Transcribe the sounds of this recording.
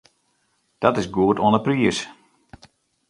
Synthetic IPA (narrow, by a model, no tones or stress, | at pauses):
d̥ɔtɪsɡuətonəpriəs